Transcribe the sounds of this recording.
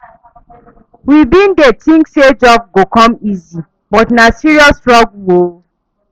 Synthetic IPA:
wibĩn̩detĩŋksed͡ʒɔb̚ɡokɔ̃mizi | bɔtnasiɹiɔstɹɔɡwo

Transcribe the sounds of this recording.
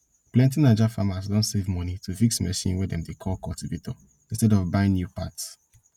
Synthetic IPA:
plɛ̃ntinad͡ʒafamazdõntsevmɔnitʰufiksmɛʃḭ̃nwɛdɛ̃mdekʰɔlkɔltivito | ĩnstɛdɔvbãɪ̃nːjupats

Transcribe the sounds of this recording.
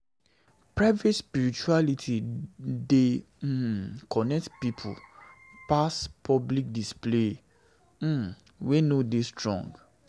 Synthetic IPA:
pɹaɪvetspiɹit͡ʃualitʰide | kʰɔnɛk̚tpipʰṵ | paspʰɔblik̚disple | wenodestɹɔ̰̃ŋɡ

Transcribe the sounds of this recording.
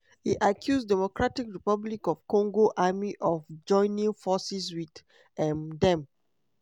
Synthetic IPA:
hiʔakʰjusdɛmokɹatikɹipablikɔvkɔ̃ŋɡoʔamiʔɔfd͡ʒɔ̃ɪ̃nĩŋfɔsis̬wid | ɛ̃mdɛ̃m

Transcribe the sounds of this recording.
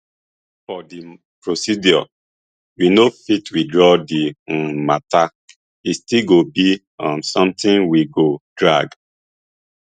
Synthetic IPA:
fɔdi | pɹosidjɔ | winofitwidɹɔdimata | istiɡobi | ãmsɔ̃mtĩnwiɡodɹaɡ

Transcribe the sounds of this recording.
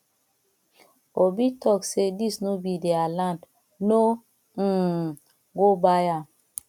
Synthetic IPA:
obitʰɔksedisnobidealãnd | no | ɡobaja

